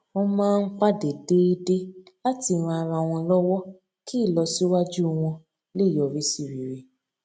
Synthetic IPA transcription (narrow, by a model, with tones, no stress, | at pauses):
ɔ̃˦˧mãː˦˧n̩˦k͡pa˦de˨de˦i˦de˦la˦ti˧˨ɾ̃ɔ̃˧a˨ɾa˧˨w̃ɔ̃˧lɔ˦wɔ˦ | kʰi˦˨lɔ˧si˦wa˦d͡ʒu˦w̃ɔ̃˧ | le˦˨jɔ˨ɾi˨˦si˦˨ɾi˨ɾe˧